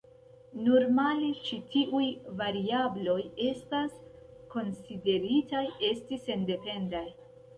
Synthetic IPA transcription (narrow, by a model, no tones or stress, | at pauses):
noɾmalet͡ʃitʰiʔujvaɾiablo̞je̞stas | ko̞nside̞ɾitaje̞stise̞nde̞pe̞ndaj